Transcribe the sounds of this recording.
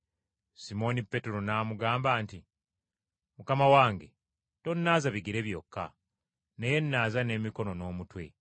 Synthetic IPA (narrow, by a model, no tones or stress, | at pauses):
simo̞nipːe̞teɾo̞naːmuɡaːmbaːnti | mukamawaːŋɡe̞ | to̞nːaːzaβiɡiɾe̞βjo̞kːa̰ | neje̞nːaːzane̞ːmiko̞no̞no̞ːmutwe̞̰